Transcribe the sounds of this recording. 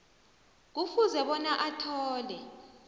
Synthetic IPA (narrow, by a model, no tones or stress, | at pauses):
k̬ufuzɛɓɔnaʔatʰɔːlɛ